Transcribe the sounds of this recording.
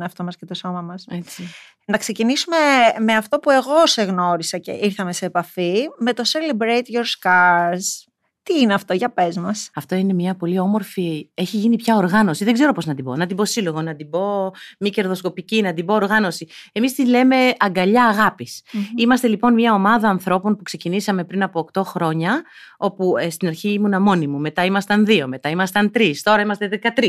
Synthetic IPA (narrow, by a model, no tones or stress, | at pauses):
eɐft̪o̞mɐscet̪o̞so̞mɐmɐset͡si | nɐkse̞cinisume̞me̞ɐft̪o̞pue̞ɣo̞se̞ɣno̞ɾisɐce̞̰ʔiɾθɐme̞seːpɐfime̞t̪o̞selebɾejt̪ʝoɾskɐs | t̪iineɐft̪o̞ʝɐpe̞zmɐsɐft̪o̞ine̞mɲɐpo̞lio̞mo̞ɾfieçiʝinipçɐoɾɣɐno̞siðe̞ɡze̞ɾo̞po̞znɐt̪ibo̰nɐt̪ibo̞siloɣonɐt̪ibo̞mice̞ɾðo̞sko̞picinɐd̪ibo̞ːɾɣɐno̞sie̞mist̪ile̞me̞ɐŋɡɐʎɐːɣɐpisimɐst̪e̞lipo̞nmɲɐo̞mɐðɐːnθɾo̞po̞npukse̞cinisɐme̞pɾinɐpo̞ːkt̪o̞xɾo̞ɲɐ | o̞pust̪inɐɾçiimunɐmo̞nimume̞t̪ɐimɐst̪ɐnðio̞me̞t̪ɐimɐst̪ɐnt̪ɾist̪o̞ɾɐimɐst̪e̞ðe̞kɐt̪ɾi